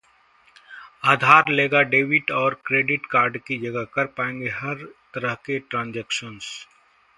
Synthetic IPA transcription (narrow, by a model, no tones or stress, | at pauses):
aːd̪ʱaːɾleːɡaɖeːʋɪʈɔːɾkɾeːɖɪʈkaːɾɖkid͡ʒɐɡəɦkəɾpaːẽːŋ̆ɡeɦɐɾt̪əɾəɦkeʈɾãːnd͡ʒeːkʃəns